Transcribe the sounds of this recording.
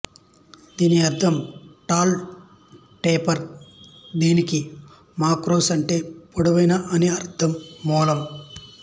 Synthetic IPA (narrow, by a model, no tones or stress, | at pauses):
d̪iːniɐɾt̪ʰɐmʈaːl | ʈeːpɐɾ | d̪iːniki | maːkɾoːsɐɳʈeːpoɽɐʋɐjnɐʔɐneɐɾt̪ʰɐmːɔːlɐm